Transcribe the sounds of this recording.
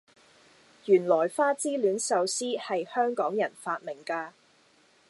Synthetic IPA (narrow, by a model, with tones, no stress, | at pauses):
jyː˨˩nlɔː˨˩jfaː˥t͡siː˥lyː˨˥nsɐ˨wsiː˥hɐ˨jhœː˥ŋkɔː˨˥ŋjɐ˨˩nfaː˧t̚mɪ˨˩ŋkaː˧